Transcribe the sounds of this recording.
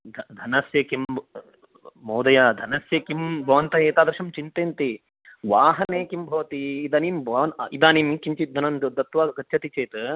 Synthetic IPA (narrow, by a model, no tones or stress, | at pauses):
d̪ʱd̪ʱɐnɐsjɐkim | mɐːd̪ɐjaːd̪ʱɐnɐsjɐkimbʱɐʋɐnt̪ɐeːt̪aːd̪ɾʃɐmt͡ʃint̪eːnt̪i | ʋaːɦɐneːkimbʱɐʋɐt̪iːd̪ɐːnimbɐɐnid̪aːniːmikiɲt͡ʃit̪̚d̪ʱɐnɐnd̪ud̪ɐt̪ʋaːɡɐtːʃʰɐt̪it͡ʃeːt̪